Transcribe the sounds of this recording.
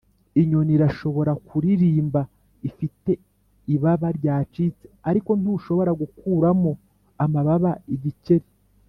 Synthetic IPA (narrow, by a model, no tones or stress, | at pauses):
iɲo̞niɾaʃo̞βo̞ɾakuɾiɾiːmba | ifite̞ | iβaβaɾɟaːt͡ʃiːt͡se̥aɾiko̞nuʃo̞βo̞ɾaɡukuːɾamo | amaβaβaiɟice̞ɾi